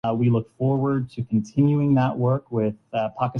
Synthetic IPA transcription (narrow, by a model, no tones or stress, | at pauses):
wilʊkfɔɹwə˞d̚tʰɨkʰn̩tʰɪ̃njʉɪ̃ŋðəʔwɜ˞kwɪð̥pʰɑkɨ